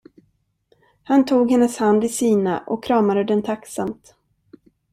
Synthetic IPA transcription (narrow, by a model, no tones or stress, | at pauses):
hant̪ʰuːɡhɛnːəshand̪ɪsiːna̰ʔɔkʰːɾɑːmad̪əd̪ɛnt̪ʰaksamt̪